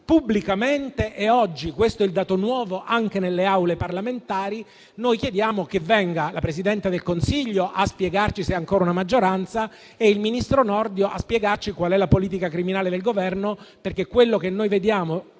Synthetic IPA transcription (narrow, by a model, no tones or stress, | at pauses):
pubːlikament̪eʔɛɔd͡ʒːikwest̪oɛild̪aːt̪onwɔːvoʔaŋkenelːeawleparlament̪aːɾi | nojk̟jed̪jaːmokevːɛŋɡalapɾes̬id̪ɛnt̪ad̪elkonsiʎːoʔaspjeɡart͡ʃisɛaŋkoːɾaunamad͡ʒːoɾant̪sa | eilminist̪ɾonɔrd̪joʔa̰spjɛɡart͡ʃikwalɛlapoliːt̪̬ikakɾiminaːled̪elɡovɛrnoperk̟ekːwelːokenːojved̪jaːmo